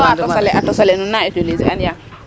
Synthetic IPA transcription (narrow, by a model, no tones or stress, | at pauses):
aaleʔatɔsalenunːaetulezianija